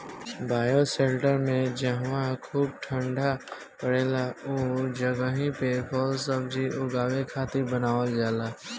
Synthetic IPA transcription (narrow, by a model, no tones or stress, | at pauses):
baːjosẽːlʈəɾmẽd͡ʒəɦʋãkʰuːb̚ʈʰə̃ɳɖʱa | pəɽeːlaod͡ʒəɡəɦĩpebʰɔːlsəbd͡ʒiʔʊɡaːwekʰaːt̪ɪɾbənaːʋəld͡ʒaːlaː